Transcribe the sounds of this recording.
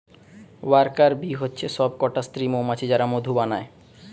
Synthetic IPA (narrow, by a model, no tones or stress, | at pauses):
waɾkaɾbiɦotːɕʰeʃɔb̚kɔʈast̪ɾimomat͡ɕʰid͡ʑaɾamod̪ʱubanae